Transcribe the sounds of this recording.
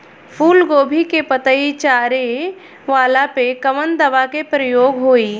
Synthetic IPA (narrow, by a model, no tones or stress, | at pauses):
pʰuːlɡoːbʱikepət̪əit͡ʃaːɾe | ʋaːlapekəʋənd̪ɐʋakepɾəjoːɡɦoːi